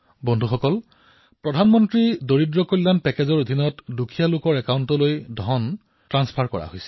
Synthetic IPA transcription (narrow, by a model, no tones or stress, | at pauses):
bɔndʱuxɔkɔl | pɹɔdʱanmɔntɹidoɹidɹɔkojlːanpɛkezɔɹod̪ʱinɔtdukʰijalʊkɔɹɛkawntɔlojdʱɔn | tɹanspʰaɹkɔ̰ɹa̰ɦojsɛ